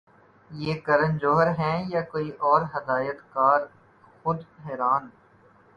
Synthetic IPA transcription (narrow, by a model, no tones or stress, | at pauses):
jeːkɐɾə̃nd͡ʒoːɦəɾɦɛ̃ːjakoːiʔɔːɾɦɐd̪aːjət̪kaːɾ | xʊd̪ɦɛːɾaːn